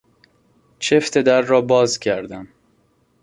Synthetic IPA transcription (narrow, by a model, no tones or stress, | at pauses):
t͡ʃʰeft̪ʰed̪æɾːɒːbɒːzcʰæɾd̪æm